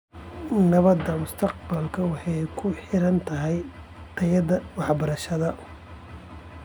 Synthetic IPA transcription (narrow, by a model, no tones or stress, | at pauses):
nɐβɐd̪ɐmʊst̪ʰɐq̚bɐlkʰɐwɑħɑjkʰʊħɪɾɐnt̪ʰɐɦɛj | t̪ʰɐjɐd̪ɐwɑħbɐɾɐʃɐðɐ